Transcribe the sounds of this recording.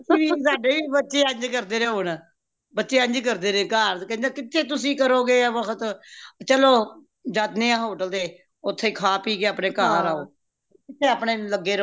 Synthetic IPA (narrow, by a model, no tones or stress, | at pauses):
sĩːʋiːsaːɖeːʋiːbətːʃeːə̃ɲd͡ʒkəɾd̪eːɾẽːɦʊɳ | bətːʃeːə̃ɲd͡ʒkəɾd̪eːɾẽːkaːɾkɛ̃nd͡ʒãːkɪt̪ʰːeːt̪̬ʊsĩːkəɾoːɡeːʋəkʰət̪t͡ʃəloː | d͡ʒaːt̪nẽːãːɦoːʈəld̪eː | ʊt̪ʰːeːkʰaːpiːɡeːaːpɳeːkaːɾaːoː | kɪt̪ʰːeːaːpɳeːləɡeːɾ